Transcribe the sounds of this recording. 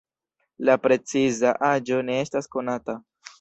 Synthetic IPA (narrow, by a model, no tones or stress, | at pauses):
lapɾe̞t͡sizaʔad͡ʒo̞ne̞e̞stasko̞nata